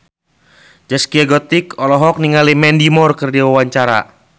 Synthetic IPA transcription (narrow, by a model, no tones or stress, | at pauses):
d͡ʒaskiaɡɔt̪ɪkɔlɔɦɔk̚niŋalimɛndimɔrkɨrdiwawaɲt͡ʃaɾa̰